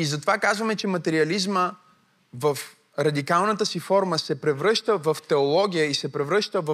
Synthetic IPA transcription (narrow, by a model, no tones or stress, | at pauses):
izɐt̪ovakazvɐmɛt͡ʃɛmɐt̪ɛɾiɐlizmə | vɐf | ɾɐd̪ikalˠnət̪əsifɔɾməsɛpɾɛvɾɤʃt̪əvɐft̪ɛolˠɔɡ̟ʲijəisɛpɾɛvɾɤʃt̪əvɐ